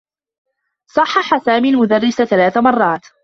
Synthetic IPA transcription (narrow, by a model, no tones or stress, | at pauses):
sˤɑħːɑħasaːmiːlmʊd̪arːɪsaθalaːθamɑrˤːɑːt̪